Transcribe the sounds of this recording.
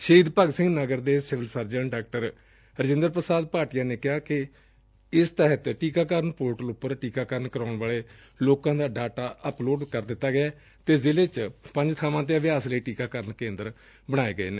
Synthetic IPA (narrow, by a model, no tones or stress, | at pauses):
ʃəiːd̪pəɡsɪ̃ŋɡnəɡəɾd̪eːsɪʋəlsəɾd͡ʒəɳɖaːk̚ʈəɾ | ɾəd͡ʒɪ̃nd̪əɾpɾəsaːd̪̚paːʈijãːneːkɪɦaːkɪ | ɪst̪əɦət̪ʈiːkaːkəɾənpoːɾʈəlʊpːəɾʈiːkaːkəɾənkəɾaːʊɳʋaːleː | loːkãːd̪aːɖaːʈaːəploːʈkəɾd̪ɪt̪ːaːɡɪaː | t̪eːzɪleːt͡ʃpəɲd͡ʒt̪ʰaːmãːt̪̬eːəʋɪjaːsləiːʈiːkaːkəɾənkẽːnd̪əɾ | bəɽ̃aːeːɡəḛːneː